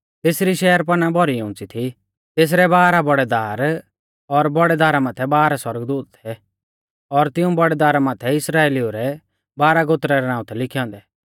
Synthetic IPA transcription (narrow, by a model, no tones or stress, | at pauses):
t̪eːsɾiʃɛːəɾp̬ɐnabʱɔɾiʊ̃ːnt͡sit̪ʰi | t̪eːs̬ɾɛbaːɾabɔɽɛd̪aːɾ | ɔɾbɔɽɛd̪aːɾamaːt̪ʰɛbaːɾaswɐɾəɡd̪uːt̪t̪ʰɛ | ɔɾt̪ɪũbɔɽɛd̪aːɾamaːt̪ʰɛɪsɾaːeːlioɾɛ | baːɾaɡot̪ɾaɾɛnãːũt̪ʰɛlɪkʰijɔ̃ːnd̪ɛː